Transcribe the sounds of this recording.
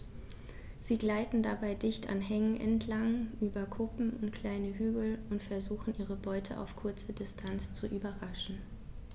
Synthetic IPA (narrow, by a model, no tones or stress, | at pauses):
z̥iːɡlaɪtn̩dabaɪdɪçtʰa̰nɦɛŋənʔɛ̰ntʰlaŋʔyːbɐkʰʊpm̩ʊntkl̥aɪnəɦyːɡl̩ʊntfɛɐzuːxn̩ʔiːʁəbɔʏtʰə̰ʔa̰ʊfkʰʊɐt͡sədɪstʰant͡st͡suʔyːbɐʁaʃn̩